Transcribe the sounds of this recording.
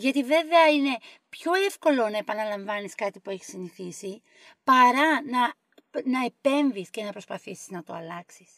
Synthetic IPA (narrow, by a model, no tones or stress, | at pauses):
ʝɐt̪ive̞ve̞ɐine̞ | pçoefko̞lo̞nɐe̞pɐnɐlɐɱvɐniskɐt̪ipue̞çi̥siniθisi | pɐɾɐnɐ | nɐe̞pe̞ɱvisce̞nɐpɾo̞spɐθisiznɐt̪o̞ɐlɐksi̥s